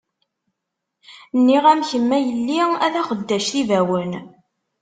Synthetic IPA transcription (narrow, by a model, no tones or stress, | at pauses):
nːiʁæmçəmːæjəlːiæðæχəd̪ːæʃθivæwən